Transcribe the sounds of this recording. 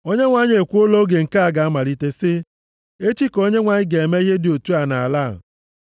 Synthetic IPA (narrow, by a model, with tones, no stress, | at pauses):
o˦ɲe˦ŋʷa˨˦ɲ˦e˨kʷu˦o˦lo˦ɡe˨ŋ̩˨ka˦a˨ɡa˨a˦ma˨ɾi˦te˦sɪ˦ | e˦t͡ʃi˦ko˦ɲe˦ŋʷa˨ɲɪ˦ɡe˨e˨me˦i˦ɦe˦dɪ˨o˨tu˦a˨na˨a˨la̰˦˨